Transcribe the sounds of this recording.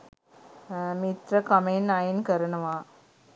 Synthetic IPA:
mit̪ɾɐkɐmenajɪnkɐɾɐnɐmaː

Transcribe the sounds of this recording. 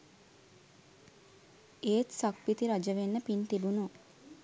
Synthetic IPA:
eːt̪sɐkʋit̪iɾɐd͡ʒəʋenːəpint̪ibunu

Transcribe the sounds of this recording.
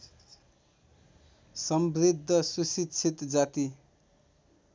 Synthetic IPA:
sʌmbɾid̪ʱːʌsusit͡sʰit̪d͡zat̪i

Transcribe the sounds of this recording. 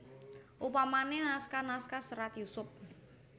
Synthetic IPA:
ʔupamanenaskanaskasəɾat̪jusʊp̚

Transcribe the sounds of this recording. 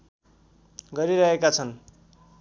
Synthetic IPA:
ɡʌɾiɾʌɦekat͡sʰʌn

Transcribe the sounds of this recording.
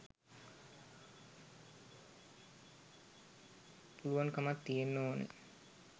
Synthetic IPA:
puluʋaŋkamat̪ːijenːoːnə̰

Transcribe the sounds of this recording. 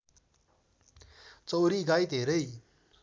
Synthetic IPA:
t͡sʌwɾiɡajt̪ɦeɾʌj

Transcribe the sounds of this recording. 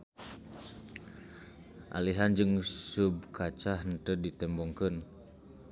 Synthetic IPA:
ʔa̰liɦand͡ʒɨŋsub̚kʰat͡ʃahnt̪ədit̪ɛmbɔŋkən

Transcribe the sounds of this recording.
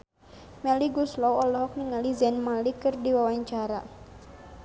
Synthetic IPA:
mɛliɡuslɔwɔlɔɦɔk̚niŋalizɛnmalikɨrdiwawaɲt͡ʃaɾa̰

